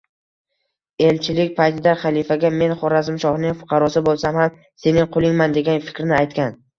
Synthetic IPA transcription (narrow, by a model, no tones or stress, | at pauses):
e̞lt͡ʃʰɪlɪkʲpʰajt̪ʰɪd̪aχalˠifaɡʲame̞nχɒɾazɪmʃɒhnɪŋfʊ̥qʰɑɾɒsɪbolˠsamham | se̞nɪŋqʰolˠɪŋmand̪e̞ɡʲanfɪ̥kʲɾnɪajt̪kʲan